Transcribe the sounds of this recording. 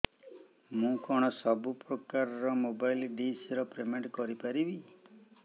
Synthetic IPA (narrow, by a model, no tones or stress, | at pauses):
mũkɔɽ̃ɔsɔbupɾɔkaɾɔɾɔmobajlɖisɾɔpɾemeɳʈkɔɾipaɾibi